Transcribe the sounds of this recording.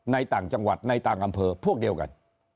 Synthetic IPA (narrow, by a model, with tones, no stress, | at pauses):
na˧jt̪aː˨˩ŋt͡ɕa˧ŋwa˨˩t̪̚na˧jt̪aː˨˩ŋʔa˧mpʰəː˧pʰu˦˥˩ək̚ɗi˨˩əwka̰˨˧˩n